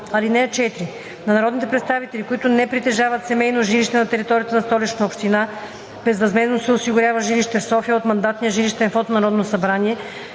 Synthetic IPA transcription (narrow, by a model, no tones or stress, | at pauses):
ɐlinɛɐt͡ʃɛt̪ɾi | nɐnɐɾɔd̪nit̪ɛpɾɛt̪st̪avit̪ɛlikoit̪ʊnɛpɾit̪ɛʒavɐt̪sɛmɛjnoʒiliʃt̪ɛnɐt̪ɛɾit̪ɔɾijət̪ɐnɐst̪ɔlit͡ʃnəopʃt̪ina | b̥ɛzɾɐzmɛznosɛosiɡʊɾʲavəʒiliʃt̪ɛfsɔfijəot̪mɐnd̪at̪nijəʒiliʃt̪ɛnfot̪onɐɾɔd̪nosɐbɾaniɛ